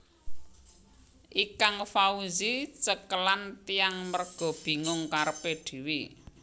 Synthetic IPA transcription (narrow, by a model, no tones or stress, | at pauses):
ʔikaŋfauzit͡ʃəkəlant̪iaŋmərɡ̥ɔ̤b̥i̤ŋʊŋkaɾəpeɖ̪̥i̤wi